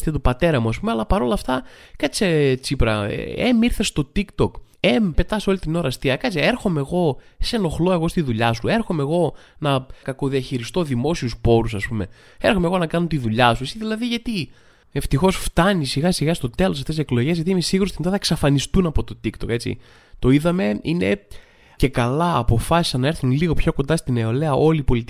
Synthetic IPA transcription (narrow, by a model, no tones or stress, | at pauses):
t̪et̪opɐt̪e̞ɾɐmuɐs̬pumeɐlɐpɐɾo̞lɐft̪ɐkɐt͡set͡sipɾɐḛemiɾθest̪o̞t̪ikt̪o̞k | empe̞t̪ɐso̞lit̪ino̞ɾɐst̪iɐkɐt͡sieɾxo̞meɣo̞ | se̞no̞xlo̞e̞ɣo̞st̪iðuʎɐsue̞ɾxome̞ɣo̞ | nɐkɐkoðiɐçiɾist̪o̞ðimo̞siuspo̞ɾusɐspume̞̰ | eɾxomeɣo̞nɐkɐnot̪iðuʎɐsusiðilɐðiʝɐt̪i | eft̪ixo̞sft̪ɐnisiɣɐsiɣɐst̪o̞t̪e̞los̬ɐft̪esseklo̞ʝe̞zʝɐt̪iimesiɣuɾost̪ind̪ɐθɐeksɐfɐnist̪unɐpo̞t̪o̞t̪ikt̪o̞ke̞t͡sḭ | t̪o̞iðɐme̞ine̞ | ce̞kɐlɐːpo̞fɐsi̥sɐnɐeɾθunliɣo̞pço̞ko̞nd̪ɐst̪ine̞o̞leɐʔo̞lipo̞lit̪i